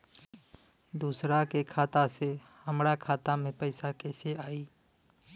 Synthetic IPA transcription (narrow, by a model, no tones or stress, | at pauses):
d̪uːsɾakekʰaːt̪ase | həmɾakʰaːt̪amẽpəɪsakɛːseaːiː